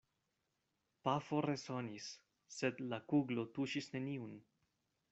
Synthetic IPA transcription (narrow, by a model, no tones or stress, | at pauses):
pafo̞ɾe̞so̞nisː | ed̪lakuɡlo̞tuʃisne̞niun